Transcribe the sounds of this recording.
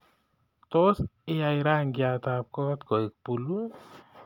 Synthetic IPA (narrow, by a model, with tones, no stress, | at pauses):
t̪o˦sɪ˦ja˧iɾa˦ŋɡja˧t̪a˨p̚kɔ˦t̪kɔ˨i˨k̚pu˨lu˦